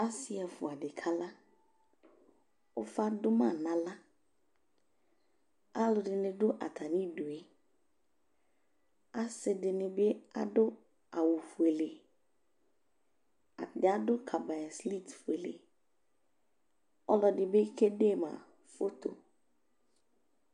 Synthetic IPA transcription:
a˦si˨a˨fʊ˨a˨dɪ˨kʰa˦la˦ | ʊ˦fa˦dʊ˦mã˦˨nã˨la˦ | a˦lʊ˨dɪ˨nɪ̃˨dʊ˦ʔa̰˨tʰa˨nĩ˦du˨e˦ | a˦sɪ˨dɪ˨nɪ̃˨be˦a̰˨dʊ˦ | a˨wu˨fu˨e˨le˨ | a̰˨dɪ˨a˦dʊ˦kʰa˨ba˨ja˨sli˦˨tfu˨e˨lḛ˨ | ɔ˦lɔ˨dɪ˨be˦kʰe˦de˦˨mã̰˨ | fo˦t̪o̰˨

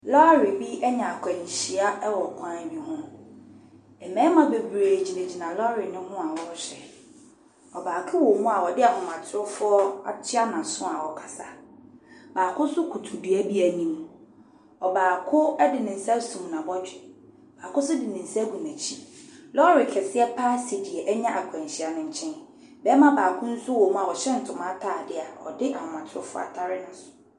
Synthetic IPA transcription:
lɔ˦ɾɪ˨bi˦ʔɛ˦ɲɛ̃˨a˨kʰɛ˨nĩ˨ɕi˨a˦ɛ˦wɔ˨kʷʰã˦bi˦ɦʊ̃˦ | ɛ˨mɛ̃ː˨˦mã˨be˨bɾe˨d͡ʑi˨nẽ˨d͡ʑi˨nã˨lɔ˦ɾɪ˨nɪ̃˦hʊ̃˦a˨wɔ˦ɕᶣɛ˨ | ɔ˨baː˨kʰʊ˦wo˨mũ˦a˨wɔ˨dɪ˦a˨hʊ̃˨mã˨tʰɪ˦ʊ˦fʊ˦ɔ˦a̰˨tʰɪ˦a˦nã˨sʊ̃˦a˨wɔ˨kʰa˨sa˨ | baː˨kʰʊ˦sʊ˦kʰu˨tʰu˨du˨æ˦bi˦æ˨nĩ˦m | ɔ˨baː˨kʰʊ˦ɛ˦dɪ˨nɪ̃˨n̩˨sa˦sũ˨m˨nã˨bɔ˦d͡ʑᶣɪ˨ | b̥aː˨kʊ˦sʊ˦dɪ˨nɪ̃˨n̩˨sæ˦ɡu˨nã˨t͡ɕʰi˦lɔ˦ɾɪ˨kʰɛ˨sɪ˦ɛ˦pʰa˦si˨di˨ɛ˨ʔɛ˦ɲã˦ʔa˨kʰɛ̃˨ɕɪ˦a˨nʊ̃˨ɲ̩˨t͡ɕʰɛ̃˦n | bɛː˦mã˦baː˨kʰʊ̃˦n̩˦sʊ˦wo˨mũ˦a˨ɔ˨ɕɛ˦n̩˨tʰʊ̃˨mã˦tʰaː˦˨dɪ˦a˨ɔ̰˨dɪ˦ʔa˨hɔ̃˨mã˨tʰɪ˦ɾʊ˦fʊ˦ɔ̰˦a̰˨tʰa˦ɾɪ˦nã˨sʊ̥ʊ˨

